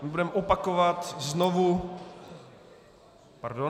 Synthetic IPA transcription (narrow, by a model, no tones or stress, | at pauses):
mɪbudɛmɛʔopakovat̪znovu | paɾdo